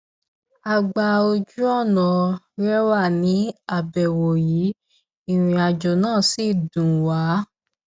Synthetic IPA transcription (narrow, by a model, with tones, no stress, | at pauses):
a˨˧ɡ͡ba˨˧o˧d͡ʒu˦ɔ˦˨nã˨ | ɾɛ˦wa˦˨nĩ˨˦a˦˨bɛ˨wo˨jiː˨˦ | i˦˧˨ɾ̃ĩ˧a˨d͡ʒɔ˨nãː˦˨si˦˨dũ˨wa˨˦